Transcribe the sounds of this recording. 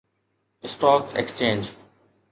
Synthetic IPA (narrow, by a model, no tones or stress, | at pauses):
sʈɔːkḛkst͡ʃẽːnd͡ʒ